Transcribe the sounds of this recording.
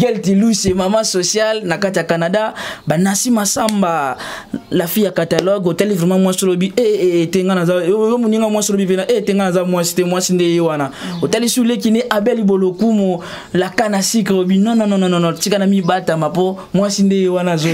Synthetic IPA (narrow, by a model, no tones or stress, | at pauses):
ɡɛltilusemamasosjalnakatiakanadabanasimasamba | lafijakatalɔɡotalivʁɛmãmwasiolobiʔeeteŋɡanazaomoniŋɡamwasilobipenaʔeteŋɡanazamwasi̥temwasindeewanaotalisulek̬ineʔabɛlibolokumo | lakanasiklobinɔnɔnɔnɔnɔnɔtikanamibatamapo | mwasindeewanazo